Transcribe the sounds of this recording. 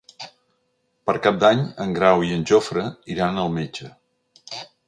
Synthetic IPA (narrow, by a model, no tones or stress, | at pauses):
pəɾkap̚d̪aɲəŋɡɾawiənʲʒofɾəiɾanəlˠmed͡ʒə